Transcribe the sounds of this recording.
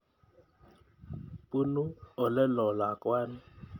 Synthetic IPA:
pu˦nu˦ɔ˨lɛ˦lɔ˨la˨kʼwaː˦nɪ˦

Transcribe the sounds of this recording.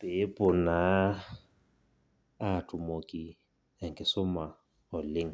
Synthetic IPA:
pʼɪ˨˦pʼʊ˨na˨˦ | a˦˨tʼʊ˨mo˨kʼi˨ | ɛ˨ŋ̩˨kʼɪ˨sʊ˦ma˨ | ʊ˨lɪ˦ŋ̩˨

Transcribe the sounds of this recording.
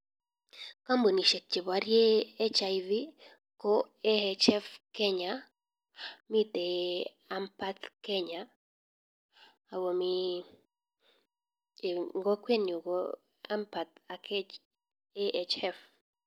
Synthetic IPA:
ka˦mbo˨ni˨ʃe˨t͡ʃːe˨βa˨ɾjeː˦t͡ʃa˨jvi˦ | ko˦e˦et͡ʃɛ˦fke˦ɲa | mi˦t̪e˨ | a˦mpa˦t̪ke˦ɲa˨ | wo˨mi˦˨ | ŋɡo˦kwe˦njo˨ɡo | a˦mpa˨t̪̚akʰ | e˦ʔet͡ʃɛ˦f

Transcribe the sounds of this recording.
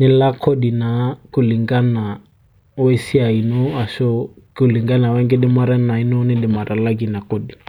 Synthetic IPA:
nɪ˨la˦kʰɔ˦ɗi˨na˨kʊ˨li˨ŋɡa˦na˨ | wɛ˦si˦a˨i˨nɔ˦a˨ʃɔ˦kʊ˨li˨ŋɡa˦na˨wɛ˦ŋɡɪ˦ɗɪ˦ma˦ɾa˦na˨i˦nɔ˦nɪ˦ɗɪ˨ma˨ɾʔa˨la˦ɡi˨na˨kɔ˦ɗi˨

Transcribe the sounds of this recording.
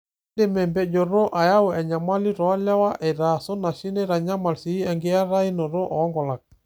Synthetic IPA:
de˨mɛ˨mbɛ˨d͡ʒo˨ɾo˦ʔa˨ja˦wɔ˨ɛ˨ɲa˨ma˦li˦ɾɔ˨a˦lɛ˦wa˦ʔɛ˨ɾa˨so˦na˨ʃi˦ne˦ɾa˨ɲa˦ma˨lsi˨˦ɛ˨ŋɡe˦a˦ɾa˦i˦no˨ɾo˦ʔɔː˨˦ŋɡɔ˨la˨k̚

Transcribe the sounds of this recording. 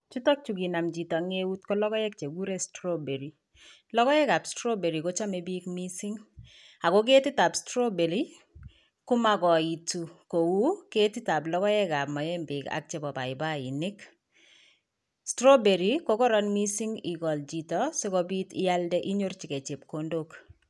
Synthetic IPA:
t͡ʃu˦tɔ˦k̚t͡ʃu˨ɡi˨na˨md͡ʒi˨tɔ˨ŋe˦wu˦tkɔ˦lɔ˦kɔ˦jɛ˦k̚t͡ʃe˨ɡu˦ɾe˦stɾo˦be˨ɾi˨ | lɔ˦kɔ˦jɛ˦ɡa˨bstɾo˦be˨ɾi˨ko˦t͡ʃa˦me˨bi˦kmi˦sɪ˦ŋ | a˨ɡo˦k̬e˦tɪ˦ta˨pstɾo˦be˨ɾi˦ | kʊ˦ma˦ɡɔ˨i˨tu˨ko˨wu˦ke˦ti˦ta˨blɔ˦kɔ˦jɛ˦ɡa˨bmɔ˨jɛ˦mbɪ˨ka̰˦k̚t͡ʃe˨bɔ˨ba˨ɪ˨ba˦˨i˨nɪ˦k | stɾo˦be˨ɾi˨ko˦kɔ˦ɾɔ˦nmi˦si˦ŋi˨ɡɔ˨ld͡ʒi˨tɔ˨se˦kɔ˦bi˦tɪ̰˦ja˦ldɛ˦ʔi˦ɲo˦rt͡ʃɪ˨ke˨t͡ʃe˨p̚ko˦ndo˦k

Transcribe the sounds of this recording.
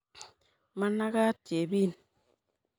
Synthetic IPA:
ma˦na˦ɣa˦tje˨bi˦˨n

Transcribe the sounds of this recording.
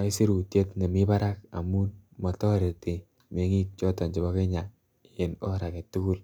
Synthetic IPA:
a˨i˦si˦ɾu˨tje˦tne˨mi˦ba˦ɾa˦ka̰˨mu˦nmɔ˨tɔ˦ɾe˨te˨ | m˨e˨˦ŋi˦t̚t͡ʃɔ˦ta˨ɲd͡ʒi˨bɔ˦ke˦ɲa˨ | e˨no̰˦ɾa˨ke˨tːu˦ku˦˨l

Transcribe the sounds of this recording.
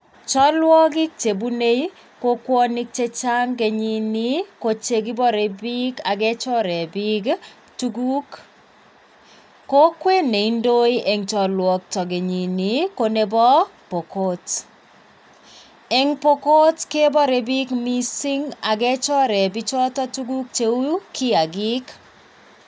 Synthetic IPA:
t͡ʃɔ˦lwɔ˦ɡi˦k̚t͡ʃe˨bu˦ne˦i˦ | ko˦kwɔ˦ni˦k̚t͡ʃe˦t͡ʃa˦ŋɡe˨ɲi˦ni˦ko˨t͡ʃe˦ɡi˦bɔ˦ɾe˨bi˦ɡa˨ɡɛ˦t͡ʃɔ˦ɾɛ˨bi˦ɡ | tu˦ɡu˦k | o˦kwe˦ne˨i˦ndo˦i˦ʔe˨ŋt͡ʃɔ˨lwɔ˨k̚tɔ˨ɡe˨ɲi˨ni˨ko˨ne˦bɔ˦po˨ko˦t | ɛ˦ŋpo˦ko˦tke˦bɔ˦ɾe˨bi˦kmi˦si˦ŋa˨ɡɛ˦t͡ʃɔ˦ɾɛ˨bi˦t͡ʃɔ˦tɔ˦tu˦ɡu˦k̚t͡ʃe˦u˦kʰɪ˦a˨ɡɪ˦k

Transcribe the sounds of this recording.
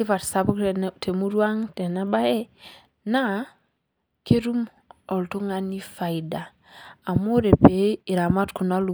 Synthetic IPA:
i˦fa˨ɾsa˨bu˦ktʰe˨mu˦ɾwa˦ŋte˨na˦ba˦jɛ˦ | na˦ | ke˦ɾu˦m | ɔ˨ltu˦ŋa˦ni˦fa˨i˨daː˨ | mu˦ɾe˨pe˨i˨ɾa˨ma˦tku˨na˦lu˨

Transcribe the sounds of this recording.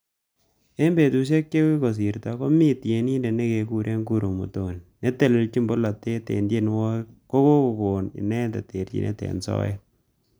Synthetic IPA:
e˦mbe˨tu˨ʃ̬e˦kːe˦wi˦ko˨s̬i˨ɾta˨ko˦mi˦tje˨ni˦nde˨ne˦ke˨ku˨ɾʔe˦ŋku˨ɾo˨mṵ˨to˨nːe˦te˦˨lɪ˨lt͡ʃi˦mbo˦la˨te˦tḛ˨ndje˦nwɔ˦ko˦ko˦ko˨ko˨nɪ̰˨nɛ˦nda˨te˨ɾt͡ʃḭ˨nʔḛ˦tḛ˨nsɔ̰˦jɛ̰˦

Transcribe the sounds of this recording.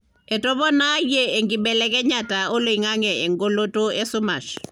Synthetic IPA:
ɛ˨tɔ˦βɔ˦na˦je˦e˨ŋɡɪ˨bɛ˨lɛ˦kɛ˦ɲatao˦lo˨iŋa˦ŋɛ˨e˨ŋɡo˦lo˦to˦ɛ˦su˦ma˨ʃ

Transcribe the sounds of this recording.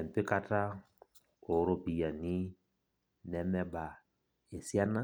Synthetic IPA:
ɛ˨m˨pɪ˦ka˦ta˦ | o˨˦ɾo˦pi˨ja˨ni˦ | nɛ˨mɛ˦ba˨ | e˨si˦a˦na˦

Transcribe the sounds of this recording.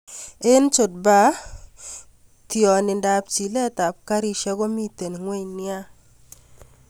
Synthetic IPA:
e˦nt͡ʃʊ˨t̚ba˦ | tjɔ˨nɪ˨nda˨p̚t͡ʃi˨lɛ˦ta˨p̚ka˦ɾi˦ʃɛ˦ɡɔ˦mi˦te˨n˨ŋwe˦ɲnɪ˦a˦

